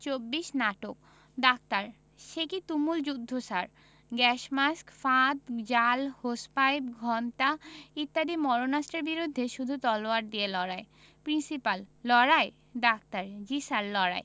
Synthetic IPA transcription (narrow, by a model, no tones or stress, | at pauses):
t͡ɕobːiʃnaʈok | ɖak̚t̪aɾ | ʃekit̪umuld͡ʑud̪ʱːosaɾ | ɡɛʃmaskfat̪d͡ʑalhospajbɡʱɔntait̪ːad̪imɔɾonast̪ɾeɾbiɾud̪ʱːeʃud̪ʱut̪ɔloaɾd̪ijelɔɾae | pɾinsipalːɔɾae | ɖak̚t̪aɾd͡ʑisalːɔɾa̰e